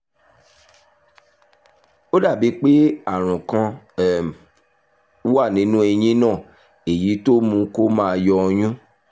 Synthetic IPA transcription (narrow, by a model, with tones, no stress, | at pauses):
o˦da˦˨bi˨˦k͡pe˦a˦˨ɾ̃ũ˨kã˧˨˦ | wa˦˨nĩ˨˦nũ˦e˧j̃ĩ˦nã˦˨ | e˨ji˨˦to˦mũ˧ko˦mãː˦a˧jɔ˧ɔ˧j̃ũ˦